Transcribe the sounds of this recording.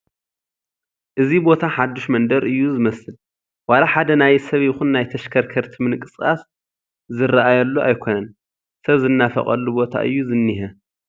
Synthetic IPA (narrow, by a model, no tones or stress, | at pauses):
ʔɨzibo̞t̪ʰaħad̪ːuʃmɐnd̪ɐɾʔɨjːuzɨmɐsɨl | walaħad̪ɐnajsɐβjɪxunːajt̪ʰɐʃkʰɐɾkʰɐɾt̪ʰimɨnɨkʼɨskʼas | zɨɾaʔajɐlːuʔajkʰo̞nɐn | sɐβzɨnːafɐ̰χʼɐ̰lːubo̞t̪ʰa̰ʔɨ̰jːuzɨnːiɦɐ